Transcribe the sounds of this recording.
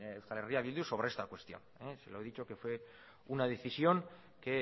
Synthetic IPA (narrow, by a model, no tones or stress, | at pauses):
ewskaleriaβild̪uso̞β̞ɾee̞st̪akwe̞st̪ijo̞̰neseloeðit͡ʃo̞ke̞fwe̞ | unað̞e̞θisjo̞ŋ | ke̞